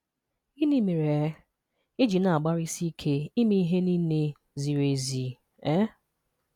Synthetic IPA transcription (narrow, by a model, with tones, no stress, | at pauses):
i˦ni˦me˨ɾe˨˦ | i˦d͡ʒi˨na˨a˨ɡ͡ba˦ɾi˦si˦kʰe˦i˦mi˦i˦ɦe˦ni˦ne˦ | zi˨ɾe˨zi˨ | ɛ˦